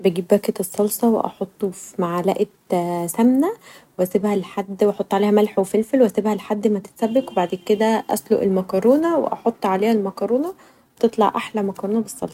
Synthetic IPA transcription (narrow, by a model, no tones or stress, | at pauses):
bæɡiːbːæket̪esˤːɑlsˤɑwḛʔɑ̰ħot̪ˤːofimaʕalæ̰ʔet̪sæmnæweʔæsebhælħad̪ːwʔɑħot̪ˤːʕaleːhæmælħwefelfelwʔæsebhælħad̪ːmæt̪e̥t̪sæbːekwebaʕd̪eːnked̪æʔæ̰slo̰ʔelmækɑɾˤoːnæwḛʔɑħot̪ˤːʕaleːhælmækɑɾˤoːnɑ | bet̪et̪ˤlɑ̰ʕʔaħlæmækɑɾˤoːnɑbesˤːɑ̰lsˤ